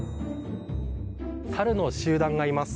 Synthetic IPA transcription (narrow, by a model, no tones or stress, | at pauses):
saɾɯ̟no̞ɕɨːd̪ãŋɡaimasɨ̥